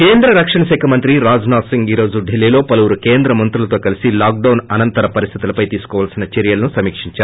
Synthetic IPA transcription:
keːnd̪ɾɐɾɐkʂɐɳɐsɛːkʰɐmɐnt̪ɾiɾaːd͡ʒnaːsiŋɡiːɾo̞ːd͡ʒuɖʱelːiːlo̞ːpɐlɐʋuɾukeːnd̪ɾɐmɐnt̪ɾulɐt̪o̞ːkɐlisilaːk̚ɖɐwnɐnɐnt̪ɐɾɐpɐɾist̪ʰi̥t̪ulɐpɐjt̪iːsu̥kɔːʋaːlsinɐt͡ʃeɾijɐlɐnusɐmiːkʂiɲt͡ʃaːɾu

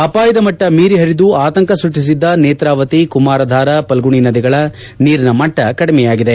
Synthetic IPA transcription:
ɐpaːjɐd̪ɐmɐʈːɐmiːɾiɦɐɾid̪uaːt̪ɐŋkɐsuʈːis̬id̪ːɐneːt̪ɾaːʋɐt̪ikumaːɾɐd̪ʱaːɾɐpɐlɡuɳinɐd̪iɡɐɭɐ | niːɾnɐmɐʈːɐkɐɽɐmɛjaːɡid̪e

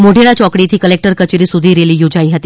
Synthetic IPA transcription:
moɖʱeɭat͡ɕɔkɽit̪ʰiːkəlek̚ʈəɾkət͡ɕeɾiːsud̪ʱiːɾeliːjod͡zʱaĩɦət̪iː

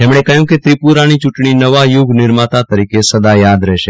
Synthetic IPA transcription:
t̪emɳekəjũket̪ɾipuɾanit͡ʃuʈɳinəʋajuɡnɪɾmat̪at̪əɾikesəd̪ajad̪ɾɛʃe

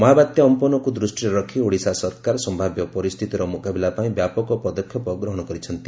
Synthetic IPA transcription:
mɔɦabat̪jɔɔmpɔnɔkud̪ɾusʈiɾɔɾɔkʰioɽisasɔɾkaɾɔsɔmbʱabjɔpɔɾist̪ʰit̪iɾɔmukabilapaĩbjapɔkɔpɔd̪ɔkʰːjɔpɔɡɾɔɦɔɽ̃ɔkɔɾit͡ʃʰɔnt̪i

